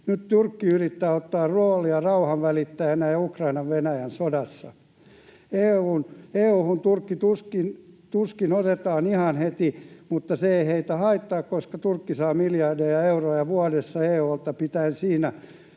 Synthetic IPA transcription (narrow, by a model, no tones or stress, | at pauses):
nyt̪t̪urkːiyrit̪ːæːot̪ːɑːrrooːliɑrɑuhɑʋʋælit̪ːæjænæjukrɑinɑʋʋenæjænsodɑsːɑ | eːuːneːuːhunt̪urkːit̪uskint̪uskinot̪et̪ɑːnihɑnhet̪imut̪ːɑseeiheit̪æhɑit̪ːɑːkkoskɑt̪urkːisɑːmiljɑrdejɑeurojɑʋuɑdesːɑeːult̪ɑpit̪æinsiːnæ